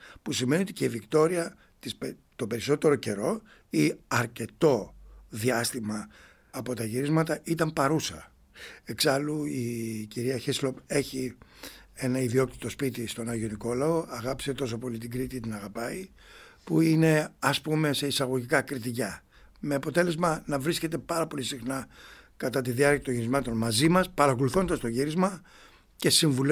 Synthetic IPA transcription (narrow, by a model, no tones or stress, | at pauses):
pusime̞nio̞t̪i̥ce̞ivikt̪o̞ɾiɐ | t̪ispe | t̪o̞be̞ɾiso̞t̪e̞ɾo̞ce̞ɾo̞ | iɐɾce̞t̪o̞ðiɐst̪imɐː | po̞t̪ɐʝiɾizmɐt̪ɐʔit̪ɐmpɐɾusɐ | e̞ksɐluiciɾiɐçeslo̞pe̞çi | e̞nɐiðio̞kt̪i̥t̪o̞spit̪ist̪o̞nɐʝo̞niko̞lɐo̞ɐɣɐpi̥se̞t̪o̞s̬o̞po̞lit̪iɡɾit̪it̪inɐɣɐpɐi | puine̞ɐspume̞se̞isɐɣo̞ʝikɐkɾit̪icɐ | me̞ɐpo̞t̪e̞le̞zmɐnɐvɾisce̞t̪e̞pɐɾɐpo̞lisixnɐ | kɐt̪ɐt̪iðiɐɾcɐt̪o̞ɲʝiɾizmɐt̪o̞nmɐzimɐspɐɾɐko̞luθo̞nd̪ɐst̪o̞ʝiɾizmɐ | ce̞siɱvul